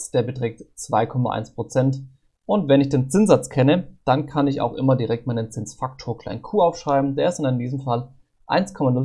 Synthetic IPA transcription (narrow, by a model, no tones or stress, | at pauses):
sd̥eːɐbətʁ̥ɛːk̚tt͡sv̥aɪkʰɔma̰ʔa̰ɪnspʁ̥ot͡sɛnt | ʔʊntvɛnɪçd̥eːnt͡sɪnz̥at͡skʰɛnəd̥ankʰanɪça̰ʊxʔɪmɐdiʁɛk̚tmaɪnənt͡sɪnsfak̚tʰoːɐkʰl̥a̰ɪnkʰuːʔaʊfʃʁ̥aɪbm̩deːɐɪstɪnaɪndiːzəm̩fal | ʔa̰ɪnskʰɔmanʊ